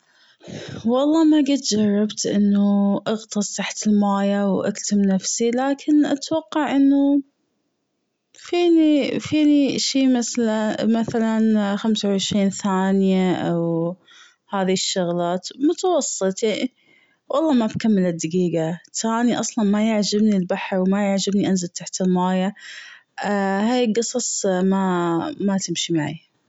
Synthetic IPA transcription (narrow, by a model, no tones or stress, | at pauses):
wɑlˤːɑːmaɡɪt̪d͡ʒɑrˤːɑbt̪ʔɪnːuʔɑɣt̪ˤɨsˤt̪aħt̪ɪlmaːjawʔa̰kt̪ɪmnafsilaːkʰɪnʔat̪wɑqːɑʕʔɪnːu | fiːnifiːniʃiːmaθalamaθalanxamsawʕɪʃɾiːnθaːnjaʔaw | haːðiʃːʊɣlaːt̪mʊt̪awɑsˤːɨt̪ˤ | wʔɑlˤːɑːmabkamːɪlɪd̪ːaɡiːɡat̪aːniʔɑsˤlɑnmajɪʕd͡ʒabnilbaħɾwmajɪʕd͡ʒabniʔanzalt̪aħt̪ɪlmaːja | haːjɡɨsˤɑsˤmamat̪ɪmʃimaʕḭ